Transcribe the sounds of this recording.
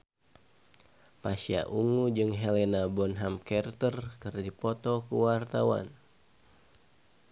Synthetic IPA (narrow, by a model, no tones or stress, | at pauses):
pasia̰ʔuŋud͡ʒɨŋɦɛlɛnabɔnɦamkɛrt̪ərkɨrdipɔt̪ɔkuwart̪awa̰n